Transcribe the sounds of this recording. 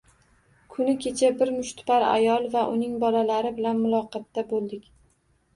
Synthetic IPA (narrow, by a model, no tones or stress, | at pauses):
kʰʊnɪkʲʰe̞t͡ʃʰabɪɾmʊʃt̪paɾa̰jɒlˠvaʔʊnɪŋbɒlalaɾɪbɪlanmʊlˠɒqʰɑt̪ːabolˠd̪ɪkʲ